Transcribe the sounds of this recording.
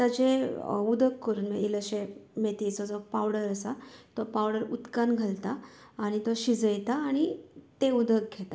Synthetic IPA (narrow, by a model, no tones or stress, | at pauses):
t̪əd͡ʑeud̪ʱəkːəɾuːnmeiləɕemet̪iːt͡sɔd͡zɔpawɽəɾəsat̪ɔpawɽəɾut̪kanɡʱəlt̪aːɽ̃it̪ɔɕid͡zəjt̪aːɽ̃it̪eud̪ʱək̚ɡʱet̪a